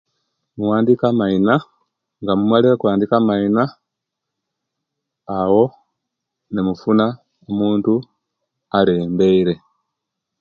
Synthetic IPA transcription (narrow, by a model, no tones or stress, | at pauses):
muwaːndikamaina | ŋɡamumwaliɾakwaːndikamaina | wo̞ | nemufuna | omuːntu | ale̞ːmbe̞iɾe̞